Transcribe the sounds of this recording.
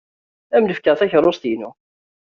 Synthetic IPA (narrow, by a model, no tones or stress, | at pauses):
æmnəfkəʁθæçɾˤost̪inu